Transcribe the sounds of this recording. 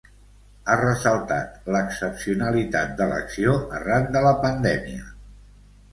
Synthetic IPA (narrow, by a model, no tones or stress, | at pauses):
arəsəlˠt̪a̰t̪ləksəpsiunəlit̪at̪̚d̪ələ̰ksioərand̪ələpənd̪ɛmiə